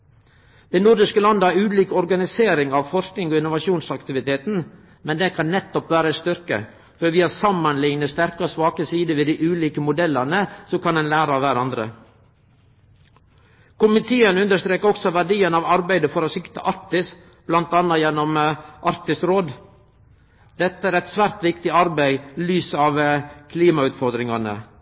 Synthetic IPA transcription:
d̪̥ɛɪnʊɾd̪ɪʂkəlɑnd̪əæɾʉːliːkɔɾɡɑnɪseːɾɪŋɑʋfɔɾsknɪŋoːɪnʊʋɑʂuːnsɑkt̪ɪʋɪt̪ʰeːt̪n̩ | mɛnd̪ɛkʰɑnːɛt̪ːɔpʋæːɾəst̪ʏɾkə̰ | fɔɾʋɪːɑsɑmːɑnlɪŋnəst̪æɾkəɔsʋɑːkəsiːd̪əʋeːd̪iɪʔʉːliːkəmʊd̪ɛlɑnəsɔkʰɑnɛnlæːɾɑʋæɾɑnd̪ɾə̰ | kʰʊmɪt̪ʰeːənʉnd̪əst̪ɾeːkəɾɔksɔʋæɖiːənɑʋɑɾbæɪd̪əfɔɾɔsɪkt̪ə̰ʔɑɾk̚t̪ɪs | b̥lɑnt̪ɑnːɑjɛnːɔmʔɑɾkt̪ɪsɾoːd̪ | d̪ɛt̪ːəæːɾɛt̪sʋæːɾt̪ʋɪkt̪ɪɑɾbæɪlyːsəɑʋkʰliːmɑʉːt̪fɔɾd̪ɾɪŋɑnə̰

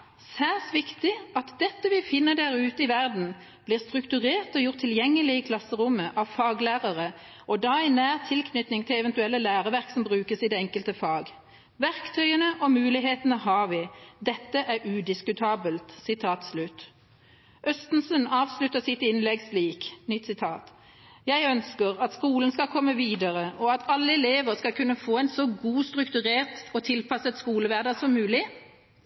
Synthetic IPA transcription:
sæːsʋɪkt̪ɪɑt̪d̪ɛt̪ːəʋɪfɪnːəd̪æʁʉːt̪əɪʋæʁd̪n̩ | b̥liːʁst̪ʁʉkt̪ʉʁeːʁt̪ɔjʊʁt̪ʰːɪljɛŋːəlɪəkʰlɑsːəʁʊmːəʔɑʋfɑːɡlæːʁəʁə | ʔɔd̪ɑːæɪnæːʁt̪ʰɪlkʰnʏt̪nɪŋt̪ʰɪlɛʋɛnt̪ʉɛlːəlæːʁəʋæʁksɔmbʁʉːkəsɪd̪ɛɛŋkəlt̪əfɑːɡ | ʋæʁkt̪ʰœʏənəʔɔmʉːlɪɦeːt̪ənəɦɑːʁʋɪd̪ɛt̪ːəʔæʁʉd̪ɪskʉt̪ʰɑːbəlt̪sɪt̪ʰɑːt̪slʉt̪ | ʔœst̪n̩sənɑːʋslʉt̪ːəʁsɪt̪ɪnlɛɡsliːknʏt̪ːsɪt̪ʰɑːt̪ | jæɪœnskəʁɑt̪skuːlən̩skɑlkʰɔmːəʋiːd̪əʁəʔɔɑt̪ʰɑlːəɛleːʋəʁskɑlkʰʉnːəfoːæɪnsɔɡuːst̪ʁʉkt̪ʉʁeːʁt̪ɔt̪ʰɪlpʰɑsət̪skuːləʋæʁd̪ɑsɔmːʉːlɪ

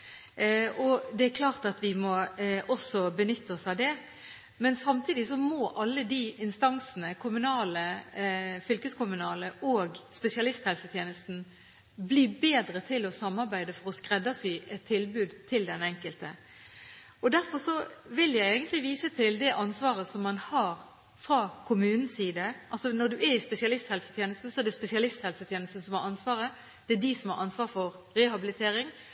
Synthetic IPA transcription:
ɔd̪ɛæɾkʰlɑːʁt̪ɑt̪ʋɪmɔɔsɔbənʏt̪ːəɔsɑʋd̪ɛ | mɛnsɑmt̪ʰiːd̪ɪsɔmɔʔɑlːəd̪iʔɪnst̪ɑŋsən̩əkʰʊmʉnɑːlə | fʏlkəskʊmʉnɑːləʔoːɡspɛsɪɑlɪst̪hɛlsət̪ʰjeːnəst̪n̩ | bliːbeːd̪ɾət̪ʰɪlɔsɑmːɑɾbæɪd̪əfɔɾɔskʁɛd̪ːɑsyːʔɛt̪ʰːɪlbʉːd̪t̪ʰɪld̪ɛnɛŋkəlt̪ə | ɔd̪æɾfɔɾʂɔʋɪljæɪeːɡənt̪lɪʋiːsət̪ʰɪld̪ɛʔɑnsʋɑːɾəsɔmːɑnhɑːɾ | fɾɑːkʰʊmʉːnn̩siːd̪əʔɑlsɔnɔɾd̪ʉʔæɾɪspɛsɪɑlɪst̪hɛlsət̪jeːnəst̪n̩sɔæd̪ɛspɛsɪɑlɪst̪hɛlsət̪ʰjeːnəst̪n̩sɔmhɑɾɑnsʋɑːɾə | d̪̥ɛæd̪ɪsɔmhɑ̰ɾʔɑnsʋɑːɾfɔɾ | ɾɛhɑbɪlɪt̪ʰeːɾɪŋ

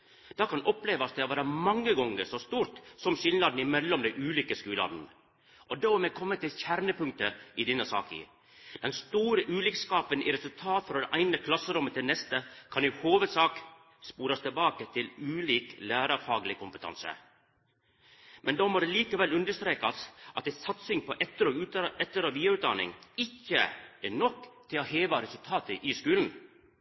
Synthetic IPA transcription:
d̪̥ɑːkʰɑnɔpleːʋɑsd̪ɛhɑʋæːɾəmɑŋːəɡɔŋːəsɔst̪uːɾt̪sɔmʃɪlnɑd̪n̩ɪmɛlːɔmd̪ɛʔʉːliːkəskʉːlɑ̰ːd̪n̩ | ʔɔd̪oːmɛkʰɔmːət̪ɪlçæɾnəpʉŋk̚t̪əʔɪd̪ɪnːəsɑ̰ːkɪ̰ | d̪̥ɛnst̪uːɾəʔʉːlɪkskɑːpənḭɾɛsʉlt̪ʰɑːt̪fɾɑd̪ɛʔæɪnəkʰlɑsːəɾʊmːət̪ɪlnɛst̪əkʰɑnjʊhoːʋəd̪sɑːk | spuːɾɑst̪ʰəlbɑːkət̪ʰɪlʉːliːklæːɾɑfɑːɡlɪkʰʊmpət̪ʰɑ̰nsə̰ | mʔɛnd̪ɔmɔɾɛliːkəʋɛlʉnd̪əʂt̪ɾeːkɑsʔɑt̪̚d̪ɛsɑt̪sɪŋpʰɔʔɛt̪ːəɾɔʉɛt̪ːəɾɑʋiːɑʉːt̪d̪ɑnɪ̰ŋɪçːə̰æɳɔkːt̪ʰɪloheːʋɑɾɛsʉlt̪ʰɑːt̪əʔɪskʉːln̩

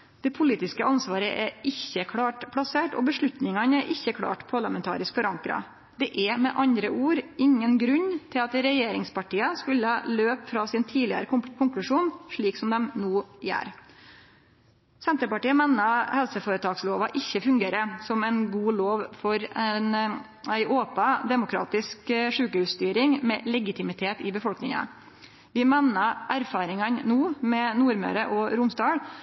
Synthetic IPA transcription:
d̪̥ɛpʰʊliːt̪ɪskəʔɑnsʋɑːɾəʔæɾɪçəkʰɽɑːʈpʰɽɑseːʈɔ̰bəʂɭʉt̪nɪŋɑnæɾʔɪçːəkʰɽɑ̰ːʈpʰɑɭɑmɛnt̪ʰɑ̰ːɾɪskfɔɾɑŋkɾɑ̰ | d̪̥ɛʔɛɾmɛʔɑnd̪ɾəʔuːɾɪŋːənɡɾʉɲːt̪ʰɪlɑt̪ɾɛjeːɾɪŋspɑʈiːəskʉlːəhɑløːpfɾɑsɪnt̪ʰiːlɪə̰ɾəkʰʊŋklʉʂuːnʂɭiːksɔmd̪ɛmnuːjæ̰ːɾ | sɛnt̪ɾəpɑʈiːəmɛnːɑhɛlsəfoːɾət̪ʰɑːɡsloːʋɑ̰ʔɪçːəfʉŋɡeːɾəsɔmæɪnɡuːloːʋfɔɾɛn | æɪʔoːpɑd̪ɛmʊkʰɾɑ̰ːt̪ɪskʂʉːkəhʉːsst̪yːɾɪŋmɛ̰lɛɡɪt̪ʰɪmɪt̪ʰeːt̪ɪbəfɔlknɪŋɑ̰ | ʋɪmɛnɑʔæɾfɑːɾɪŋɑnnuːmɛnuːɾmø̰ːɾəʔɔɾʊmsd̪ɑːɽ

